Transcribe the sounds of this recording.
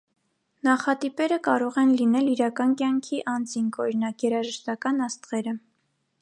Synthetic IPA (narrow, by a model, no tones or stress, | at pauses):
nɑχɑt̪ipɛɾəkɑɾɔʁɛnlinɛliɾɑkɑnkjɑŋkʰiʔɑnd͡ziŋkʰɔɾinɑkjɛɾɑʒəʃt̪ɑkɑnɑst̪ʁɛɾə